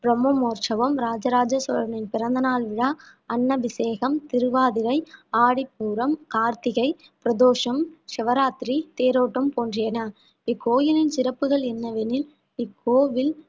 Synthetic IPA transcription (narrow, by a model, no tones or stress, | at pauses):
pɪɾɐmumoːɾʂɐʋɐmɾaːd͡ʒɐɾaːd͡ʒɐsʋɐɾɐnɪnpɪɾɐnd̪ɐnaːlʋɪɽaː | ɐnːɐʋɪseːɣɐmt̪ɪɾɯʋaːðɪɾɐɪaːɽipːuːɾɐmkaːɾt̪ɪɣɐɪ | pɪɾɐðoːʂɐmʂɛʋɐɾaːt̪ɾit̪eːɾoːʈːɐmpoːndrɪjɐnɐ | pɪkːoːjɪnɪnsɪɾɐpːɯɣɐɭɛnːɐʋɛnɪl | pɪkʰːoːʋɪl